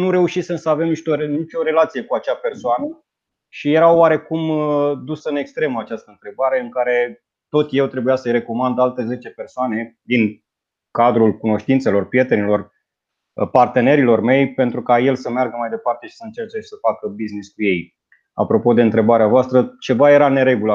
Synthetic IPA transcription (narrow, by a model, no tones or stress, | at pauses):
nuɾe̞uʃisɨnsəave̞mniʃt̪oenit͡ʃo̞ɾe̞lat̪sije̞kuat͡ʃape̞rsoanə | ʃije̞ɾawːaɾe̞kumd̪usɨne̞kst̪ɾe̞məat͡ʃast̪əɨnt̪ɾe̞baɾe̞ɨŋkaɾe̞ | t̪o̞t̪je̞wt̪ɾe̞bujasəjre̞ko̞mand̪alt̪e̞ze̞t͡ʃe̞pe̞rsoane̞d̪in | kad̪ɾulkuno̞ʃt̪int̪se̞lo̞rpɾije̞t̪e̞nilo̞r | part̪e̞ne̞ɾilo̞rme̞jpe̞nt̪ɾukaje̞lsəmearɡəmajd̪e̞part̪e̞ʃi̥səɨnt͡ʃert͡ʃeʃi̥səfakəbizniskuje̞j | a̰pɾo̞po̞d̪e̞ɨnt̪ɾe̞baɾeavoast̪ɾət͡ʃe̞vaje̞ɾane̞ɾe̞ɡula